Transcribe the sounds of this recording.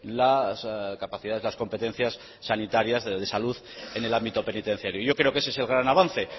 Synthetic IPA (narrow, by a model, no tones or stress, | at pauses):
laskapaθiðaðe̞zlasko̞mpe̞t̪e̞n̟θjasː | anit̪aɾjazðe̞saluðene̞lambit̪o̞pe̞nit̪e̞n̟θjaɾjoiʝo̞kɾe̞o̞ke̞seese̞lɣɾanaβanθe̞